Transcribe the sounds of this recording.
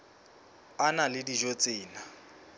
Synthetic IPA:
analɪdiʒot͡sʼɪːna

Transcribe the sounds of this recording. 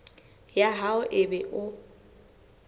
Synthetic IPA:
jaɦaʊʔɪbɛʔʊ

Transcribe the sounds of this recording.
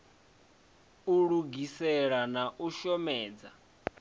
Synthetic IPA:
uɺuɡisɛɺanaʔuʃɔmɛːd͡za̰

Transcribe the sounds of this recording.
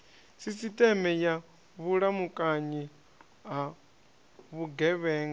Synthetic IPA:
sisitʼɛmɛja | βuɺamukʼaɲi | ɦa | βuɡɛβɛːŋɡ

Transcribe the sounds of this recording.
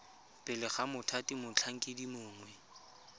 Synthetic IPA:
pʼɪlɪχamʊtʰatimʊt͡ɬʰaŋ̩kʼɪdimʊːŋwɛ

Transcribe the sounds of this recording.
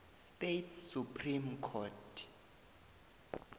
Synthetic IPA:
stetsupʰrimkʰɔtʰ

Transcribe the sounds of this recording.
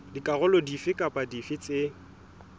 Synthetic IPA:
dikʼaɣʊlɔdifɪkʼapʼadifɪt͡sʼɪ

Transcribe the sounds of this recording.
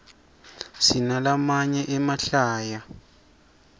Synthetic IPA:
sinalamaɲɛʔɛmaɬaːja

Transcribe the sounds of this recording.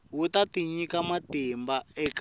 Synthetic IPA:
wutatiɲikamatimbaɛk

